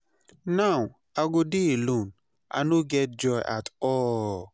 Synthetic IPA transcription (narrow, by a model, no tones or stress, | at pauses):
naw | aɡodilũn | ʔa̰noɡɛt̚d͡ʒɔɪʔa̰tɔ